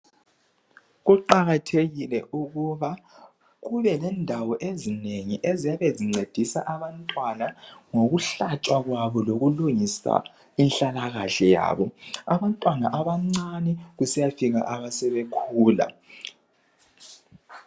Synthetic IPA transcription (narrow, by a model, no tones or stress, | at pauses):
ɣuǃaɣatʰeɣilɛʔuɣuβa | ɣuβɛlɛndʱawɔʔezineŋiʔezijaβeziŋ͡ǀed̥ʱisa̰ʔaβantʼwanaŋoɣuɬat͡ʃʼwaɣwaβɔloɣuluŋisa̰ | inɬalaɣaɬɛja̰ːβɔaβantʼwanaʔaβaŋ͡ǀanɛɣusijafiɣa̰ʔaβasɛβekʰuːla̰